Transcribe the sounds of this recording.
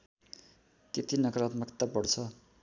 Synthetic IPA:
k̪et̪inʌɡrʌt̪mʌkt̪apʌɽt͡sʰʌ

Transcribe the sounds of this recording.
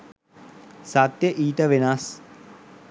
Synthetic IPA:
sat̪ːjeʔiːʈ̪ɐʋɪnaːs

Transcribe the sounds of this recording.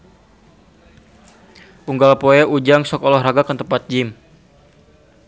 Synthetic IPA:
ʔuŋɡalpoɛʔud͡ʒaŋsɔkɔlɔhraɡakant̪əmpat̪̚d͡ʒɪm

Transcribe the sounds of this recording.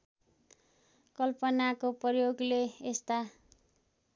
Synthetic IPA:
kʌlpʌnakoprʌjoɡleest̪a

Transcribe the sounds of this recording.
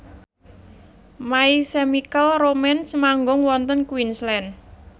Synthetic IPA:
maisemikəlromɛnsmaŋɡʊŋwɔnt̪ənkwinslɛn

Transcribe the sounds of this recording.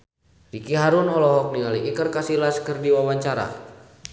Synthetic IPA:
rikiɦaɾʊnɔlɔɦɔk̚niŋaliʔikərkasilaskərdiwawaɲt͡ʃaɾa̰

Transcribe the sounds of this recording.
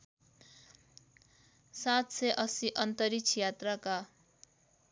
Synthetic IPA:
sat̪seʔʌsiʔʌnt̪ʌɾit͡sʰijat̪raka

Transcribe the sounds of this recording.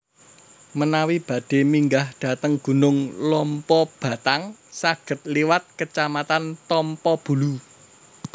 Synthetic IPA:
mənawib̥ä̤ɖ̥e̤miŋɡahɖ̥ä̤t̪əŋɡ̥ṳnʊŋlɔmpɔb̥ä̤t̪aŋsaɡ̥ə̤t̪̚liwat̪̚kət͡ʃamat̪ant̪ɔmpɔb̥ṳlu

